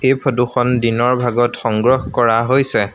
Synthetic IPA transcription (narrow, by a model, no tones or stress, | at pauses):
ejpʰɔduxɔndinɔɹbʱaɡɔtxɔŋɡɹɔhkɔɹaɦojsɛ